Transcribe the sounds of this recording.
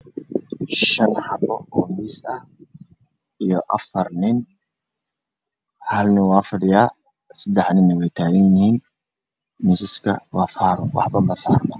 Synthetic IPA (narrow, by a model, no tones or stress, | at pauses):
ʃɐnħɑbɔɔːmɪsɐ | ijɔʔɐfɐrnɪn | hɐlnɪwaːfɐɖɪjaː | sɐd̪ɛħnɪnːɪwɛjt̪ʰaːɣɐnjɪhiːn | misɪskʰɐ̰wɑːfaːɾʊwɑ̰ħbɐmɐsaːrmɐ